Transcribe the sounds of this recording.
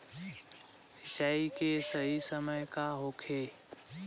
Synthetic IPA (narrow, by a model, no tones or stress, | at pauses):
hɪt͡ʃaːikesəɦisəməjkaɦoːkʰeː